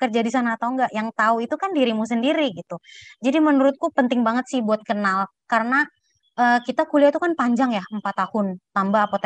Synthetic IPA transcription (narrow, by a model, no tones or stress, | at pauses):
kərd͡ʒadisanat̪auŋɡaʔjaŋt̪auit̪ukandiɾimusəndiɾiɡit̪ud͡ʒadimənuɾʊt̪̚kupənt̪ɪŋbaŋət̪̚sɪhbuat̪̚kənal | kaɾəna | ʔəkit̪akuliat̪ukanpaɲd͡ʒaŋjahəmpat̪ːahʊnt̪ambaːpat̪